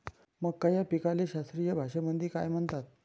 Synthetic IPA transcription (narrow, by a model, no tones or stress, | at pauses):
məɡkajapikaleɕast̪ɾijəbʱaʂəmənd̪iːka̰jm̤əɳt̪at̪̚